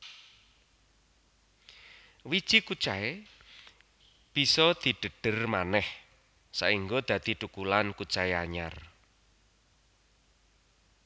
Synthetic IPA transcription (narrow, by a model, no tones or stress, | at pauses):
wi̥t͡ʃikut͡ʃae | b̥isɔd̪̥i̤ɖ̥ə̤ɖ̥ə̤rmanɛh | sa̰iŋɡod̪̥ä̤d̪̥i̤t̪ukulankut͡ʃaeaɲar